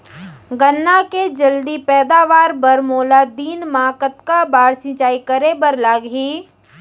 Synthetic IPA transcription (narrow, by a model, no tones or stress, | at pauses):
ɡənːaked͡ʒəld̪ipɛːd̪aːʋaːɾbɐɾmoːlad̪iːnmãːkət̪kabaːɽsɪ̃ːt͡ʃaːikəɾebəɾlaːɡɦiː